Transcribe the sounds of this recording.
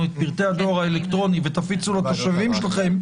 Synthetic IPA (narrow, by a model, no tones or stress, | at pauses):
uet̪̚piʁt̪e̞ad̪o̞aʁaelekt̪ʁo̞nive̞t̪afit͡sulat̪o̞ʃavimʃelaχe̞m